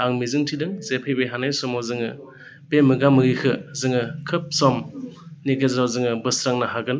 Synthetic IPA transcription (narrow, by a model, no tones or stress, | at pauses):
aŋmizɯŋtʰidɯŋzepʰejbejɦanajsɔmɔwzɯŋɯ | b̥emɯɡamɯɾikʰɯzɯŋɯkʰɯp̚sɔmniɡezɾawzɯŋɯbɯsɾaŋnaɦaɡɯn